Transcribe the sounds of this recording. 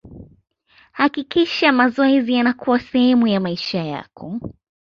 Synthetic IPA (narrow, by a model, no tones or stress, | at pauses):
hakikiʃamazɔɛzijanakuwasɛhɛmujamaiʃaja̰kʰɔ